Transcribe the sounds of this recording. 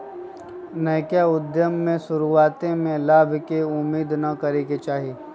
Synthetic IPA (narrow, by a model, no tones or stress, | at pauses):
nɐkjaʊd̪jəmːẽsʊɾuaːt̪ẽmẽlaːbʱkeʊmːiːd̪nɐkɐɾeket͡ʃaːɦiː